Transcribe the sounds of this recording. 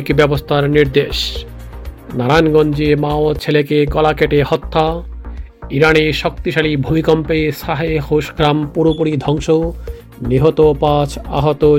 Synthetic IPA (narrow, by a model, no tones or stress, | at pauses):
kbɛbost̪ʰaɾniɾd̪eʃ | naɾanɡɔnd͡ʑemaot͡ɕʰelekeɡɔlakeʈehɔt̪ʰːa | iɾaneʃɔk̚t̪iʃalibʱomikɔmpeʃaɦehoʃɡɾampuɾopuɾid̪ʱɔŋʃo | niɦot̪opat͡ɕʰa̰ɦot̪o